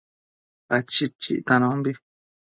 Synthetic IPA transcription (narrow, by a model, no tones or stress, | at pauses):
at͡ʃit͡ʃḭʔt̪ãnõbi